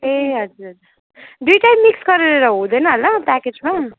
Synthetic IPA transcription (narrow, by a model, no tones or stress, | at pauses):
eɦʌd͡ʒuɾɦʌɾuɾ | d̪ujʈajmːiksɡʌɾeɾeɾʌɦũd̪ʌjnʌɦʌlʌpaked͡zma